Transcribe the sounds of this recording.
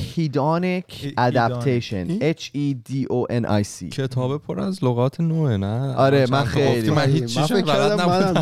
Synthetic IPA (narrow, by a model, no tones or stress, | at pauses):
hiːd̪ɔːnikʰæd̪æpt̪ʰejʃo̰net͡ʃʰid̪iːʔoʔenʔɒ̰jsḭːcʰet̪ʰɒːbepʰoɾæzloɣɒːt̪ʰenoenæʔɒɾemænxejliimænhit͡ʃːiefaad̪næb